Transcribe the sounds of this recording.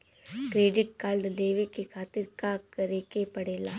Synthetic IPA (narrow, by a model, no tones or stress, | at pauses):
kɾeːɖɪʈ̚kaːlɖleːʋekekʰaːt̪ɪɾkakɐɾeːkepɐɽeːlaː